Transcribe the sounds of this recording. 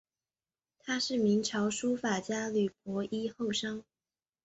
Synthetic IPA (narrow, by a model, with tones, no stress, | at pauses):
t̪ʰa˥ʂɻ̩˥˩mi˧˥ŋʈ͡ʂʰɑ˧˥ʊʂu˥fa˨˩t͡ɕja˥ly˨˩p̚ʰɔ˧˥ʔi˥xo˥˩ʊʂɑ˥ŋ